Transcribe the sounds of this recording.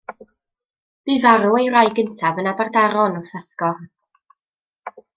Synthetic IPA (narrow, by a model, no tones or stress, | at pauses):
b̥iːvaɾuejrajɡəntʰavənabardaɾɔnɔθaskɔr